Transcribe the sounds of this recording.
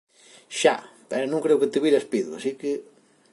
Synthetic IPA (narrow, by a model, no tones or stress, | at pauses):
ʃa̰pɛɾnõŋkɾewkɪt̪ɪβiɾɐspiðua̰sikɪ